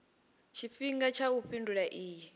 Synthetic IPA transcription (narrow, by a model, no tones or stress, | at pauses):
t͡ʃʰifiŋɡat͡ʃʰauɸinduɺaʔiːjɛ